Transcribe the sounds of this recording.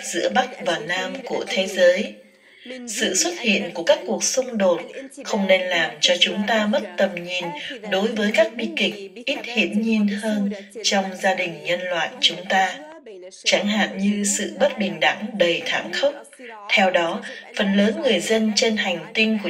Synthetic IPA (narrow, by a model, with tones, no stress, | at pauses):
z̥ɨ̰˧˥əɓa˦˥k̚vaː˨˩naː˧mku˧˩ət̪ʰe˨˦zəː˨˦j | sɨ̰˧˨swə˦˥t̚hḭ˧˨ənku˧˩əkaː˦˥kːu˨˩ək̚sʊ˧ŋ͡mɗo˨˩t̚xə˧wŋ͡mne˧nlaː˨˩mt͡ɕɔ˧t͡ɕʊ˨˦ŋ͡mt̪aː˧mə˦˥t̚t̪ə˨˩mɲi˨˩nɗo˨˦jvəː˨˦jkaː˦˥k̚ɓḭ˧˨kï˨˩k̟̚ʔi˦˥t̚hi˧˩ənɲi˨˩nhəː˧nt͡ɕɔ˧wŋ͡mzaː˧ɗï˨˩ŋ̟ɲə˧nlwa̰ː˧˨jt͡ɕʊ˨˦ŋ͡mt̪aː˧ | t͡ɕa˧˩ŋɦa̰ː˧˨nɲɨ˧sɨ̰˧˨ɓə˦˥t̚ɓï˨˩ŋ̟ɗa˧˩ŋɗə˨˩jt̪ʰa̰ː˧˩mxə˦˥wk͡p̚ | t̪ʰɛ˧wɗɔ˨˦fə˨˩nləː˨˦nŋɨ˨˩əjzə˧nt͡ɕe˧nha˨˩jŋ̟t̪ï˧ŋku˧˩